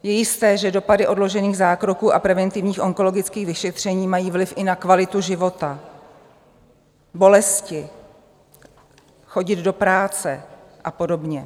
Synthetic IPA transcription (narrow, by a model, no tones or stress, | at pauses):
jɛjɪst̪ɛːʒɛdo̞padɪʔo̞dlo̞ʒɛniːɣzaːkɾo̞kuːʔapɾɛvɛnt̪ɪvɲiːxʔo̞ŋko̞lo̞ɡɪt͡skiːɣvɪʃɛt̪r̝̥ɛɲiːmajiːvlɪfʔɪnakvalɪt̪uʒɪvo̞t̪a | bo̞lɛscɪ | xo̞ɟɪd̪do̞pɾaːt͡sɛʔapo̞do̞bɲɛ